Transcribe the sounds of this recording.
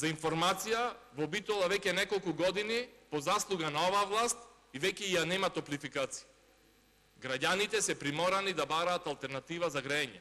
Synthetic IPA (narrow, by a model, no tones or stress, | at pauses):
zainfɔɾmat̪sijavɔbit̪ɔlˠavɛcɛnɛkolˠkuɡɔd̪inipɔzaslˠuɡanaɔvaːvlˠast̪̚ | ivɛcɛijanɛmat̪ɔplifikat̪si̥i | ɡɾaɟanit̪ɛsɛpɾimɔɾanid̪abaɾaːt̪alˠt̪ɛɾnat̪ivazaɡɾɛɛɲɛ